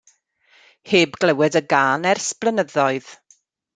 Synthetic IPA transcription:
heːbɡlɛwɛdəɡaːnɛrsplˠənəðɔɨð̥

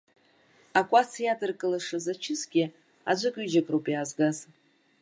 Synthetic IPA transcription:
akʷʼasjatʼɨrkʼɨlaʂɨzat͡ʃʰɪsɡʲɪ | a̰d͡ʒʷɨkʲʼyd͡ʒakʼrowpʼjaːzɡaz

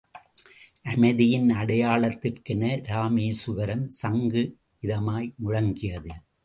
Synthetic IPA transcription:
ʔɐmɐɪðɪjɪnɐɽɐjaːɭɐt̪ːɪrkɛnɐɾaːmiːsʊʋɐɾɐmsɐŋɡɯ | ɪðɐmaːjmʊɻɐŋɡɪjɐðɯ

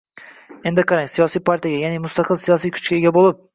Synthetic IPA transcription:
e̞nd̪ɪqʰɑɾaŋsijɒsijpʰaɾt̪ʰijaɡʲajanɪmʊst̪ɑqʰɨlˠsijɒsijkʰʊ̥t͡ʃkʲaeɡʲabolˠɪp̚

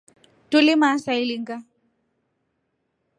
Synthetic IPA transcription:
tulimasailiŋɡa

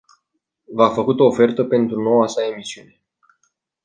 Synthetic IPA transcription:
vafəkut̪o̞ːfe̞rt̪əpe̞nt̪ɾuno̞wasae̞misiune̞

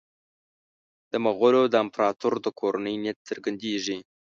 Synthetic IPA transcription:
d̪̥əmaɣʊlod̪əɪmpɾɑt̪uɾd̪əkʰoɾanəjnet̪t͡səɾɡand̪eʐi

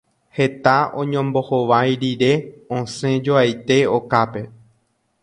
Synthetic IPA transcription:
he̞t̪aõ̞ɲõmbo̞hoʋajɾiɾe̞õsẽ̞d͡ʒoajt̪e̞okape̞

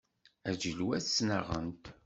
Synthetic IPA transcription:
æd͡ʒəlwæsːnəʁə̰nt̪

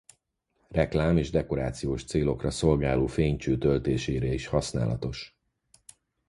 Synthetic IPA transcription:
rɛklaːmeːʒd̪ɛko̞ɾaːt̪sijoːʃt̪seːlo̞krɒso̞lɡaːloːfeːɲt͡ʃøːt̪ølt̪eːʃeːɾɛiʃhɒsna̰ːlɒ̰t̪o̞ʃ

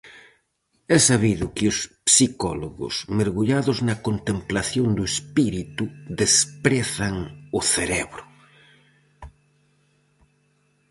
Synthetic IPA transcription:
ɛsaβiðʊkɪʊspsikɔlo̰ɣʊ̰smeɾɣuʎaðʊznɐkont̪emplaθjond̪ʊespiɾit̪uðespɾɛθɐŋʊθeɾɛβɾʊ

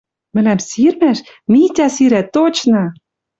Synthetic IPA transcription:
mɘ̆næmsirmæʃ | mit̪ʲæsiɾæt̪ːot͡ɕnɤ̆

